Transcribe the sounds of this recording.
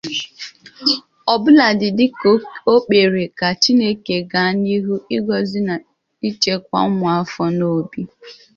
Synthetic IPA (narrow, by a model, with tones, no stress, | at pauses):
ɔ˨bʊ˦la˨dɪ˨dɪ˦o˦k͡pe˨ɾe˨ka˨t͡ʃi˦ne˦ke˨ɡa˨˦ni˦ɦu˦ɪ˦ɡɔ˨zɪ˦na˨ | i˦t͡ʃe˦kʷa̰˦ʊ˦ŋʊ˨a˦fɔ˦no˦˨bi˦